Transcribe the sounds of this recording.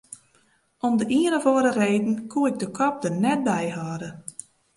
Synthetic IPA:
ʔɔmdəʔiənəvoəɾəreːdn̩kʰuɪɡ̚dəkʰɔp̚dənɛt̚bɛjɦaːdə

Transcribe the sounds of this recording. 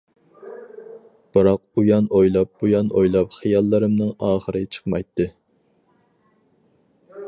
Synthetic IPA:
b̥ɨɾɑq̚ujɑnojlˠɑp̚bujɑnojlˠɑpχɨjɑlˠːɨɾɨmnɨŋɑːχəɾɨt͡ʃʰə̥qmɑjt̪ʰːɨ

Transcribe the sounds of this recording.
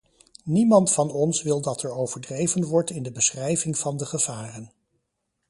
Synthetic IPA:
nimɑntfɑnɔnsʋɪlˠdɑtɛɹowvəɹdrejvənʋɔɹtɪndəbəsχrɛjvɪŋv̥ɑndəχəv̥aːrən

